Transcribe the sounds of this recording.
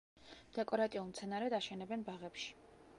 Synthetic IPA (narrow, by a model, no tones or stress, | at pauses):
d̪̥ɛkʼɔɾat̪ʼiulˠmt̪sʰɛnaɾɛd̪aʃɛnɛbɛnbaʁɛpʃi̥